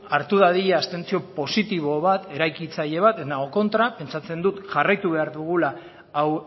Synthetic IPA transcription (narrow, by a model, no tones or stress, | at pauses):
aɾt̪uðaðiʎaːst̪e̞nt͡sio̞po̞sit̪iβo̞βat̪e̞ɾajkit͡saʎe̞β̞at̪enaɣoko̞nt̪ɾape̞nt͡sat͡se̞nd̪ut̪ʝarajt̪uβe̞aɾðuɣ̞ulaː | w